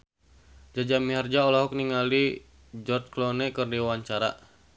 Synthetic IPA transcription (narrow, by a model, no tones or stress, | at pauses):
d͡ʒad͡ʒamiɦard͡ʒaɔlɔɦɔk̚niŋali | d͡ʒɔrt͡ʃklɔnɛkərdiwaɲt͡ʃaɾa̰